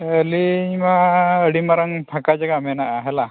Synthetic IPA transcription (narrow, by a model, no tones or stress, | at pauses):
əlimaəɽimaɾaŋpʰakad͡ʒaɡamɛnaʔaɦɛla